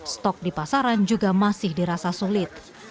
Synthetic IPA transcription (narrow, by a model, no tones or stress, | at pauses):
st̪ɔk̚dipasaɾand͡ʒuɡamasɪhdiɾasasulɪt̪̚